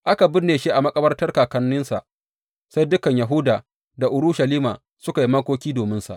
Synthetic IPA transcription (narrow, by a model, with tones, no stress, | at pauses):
ʔa˦ka˨bɪ˦rnːeː˨ʃeː˦ʔa˨mɐ˦kʼɐ˦bɐ˦rtɐ˦rkaː˨kɐ˦nːʊ˦nsa̰˨ʔ | sa˦jdʊ˦kɐ˨ɲja˨ɦʊ˦daː˨ | da˨ʔʊ˨ɾʊ˦ʃɐ˨liː˦ma̰ː˨ | sʊ˦ka˨ji˦mɐ˦kʷoː˦kʲiː˦doː˨mɪ˦nsa̰˨ʔ